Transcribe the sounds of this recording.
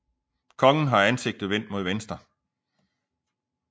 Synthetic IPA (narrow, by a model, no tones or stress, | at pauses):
kʰɒ̽ŋn̩ɦɑ̈ænse̝ɡ̥̚d̥ð̩ˠʋen̰d̥̚mo̝ð̞ˠʋensd̥ʁɐ